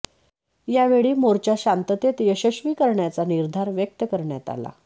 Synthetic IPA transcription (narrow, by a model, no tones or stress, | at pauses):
jaʋeɭiːmoɾt͡ɕjaɕant̪ət̪et̪jəɕəɕʋiːkəɾɳjat͡saniɾd̪ʱaɾʋjək̚t̪əkəɾɳjat̪a̰la̰